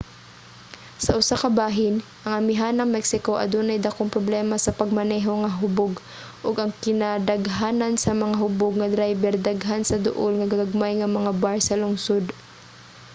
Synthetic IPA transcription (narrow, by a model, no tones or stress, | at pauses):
sɐʔʊsakɐbaːɦɪnʔɐŋɐmɪɦanɐŋmɛksɪko̞ʔɐ̰d̪onɐjd̪ɐkoŋpɾoblɛːmɐsɐpɐɡ̚mɐnɛɦoŋɐɦʊboɡ | ʔoɡɐŋkɪnad̪ɐɡɦaːnɐnsɐmɐŋaɦʊboɡ̚ŋɐd̪ɾajbɛɾd̪aɡɦansɐd̪ʊ̰ʔolŋɐɡɐɡɐɡ̚majŋɐmɐŋabaɹsɐlʊŋsod̪